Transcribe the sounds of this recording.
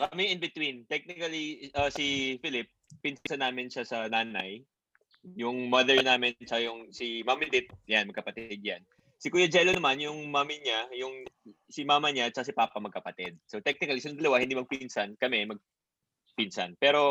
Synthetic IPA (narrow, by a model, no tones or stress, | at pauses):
kɐɐmɛʔɪnbɪt̪wint̪ɛk̚nɪkɐliʔɐsifɪlɪpː | ɪnsɐnːaːmɪnʃasɐnaːnɐj | jʊŋmɐðɛɹnaːmɪnnt͡ʃɐkajʊŋsɪmamɪlɪt̪̚janmɐɡ̚kɐpɐt̪ɪd̪̚jan | sɪkujɐd͡ʒɛlonɐmanjʊŋmaːmɪɲajʊŋ | sɪmaːmɐɲat͡ʃːɐkas̬ɪpaːpɐmɐɡ̚kɐpɐt̪ɛd̪̚sot̪ɛk̚nɪkɐlisɐnʊŋd̪ɐlɐwahɪnd̪imɐɡ̚pinsɐnkɐmɛmɐɡ̚ | pinsɐ̰npɛːɾo̞